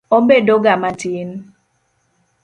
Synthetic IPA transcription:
obedoɡamatin

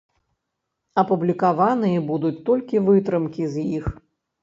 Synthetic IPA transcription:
ɐpublʲikavanɨjɛbud̪ut͡sʲt̪ɔlʲkʲivɨt̪ɾɨmkʲizjix

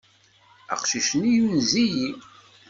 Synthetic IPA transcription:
ə̰qʃiʃənijunziji

